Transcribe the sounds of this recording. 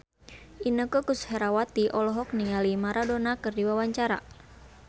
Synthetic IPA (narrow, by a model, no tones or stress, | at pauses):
ʔinəkəkushɛɾawat̪iʔɔlɔɦɔk̚niŋalimaɾadonakɨrdiwawaɲt͡ʃaɾa̰